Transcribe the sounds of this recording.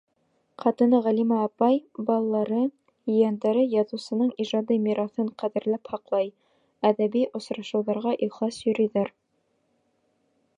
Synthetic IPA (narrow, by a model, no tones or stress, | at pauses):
qɑt̪ɤ̆nɤʁælimæːpɑjbɑlˠlːɑɾɤ | ɵ̆jænd̪æɾɘjɑðŭwsɤ̆nɤɴiʒɑd̪ɤmiɾɑθɤɴqæðɘ̆ɾlæphɑqlˠɑj | æðæbiʔŏsɾɑʃɤ̆wðɑɾʁɑʔiχlˠɑsjɵ̆ɾɵ̆jðæɾ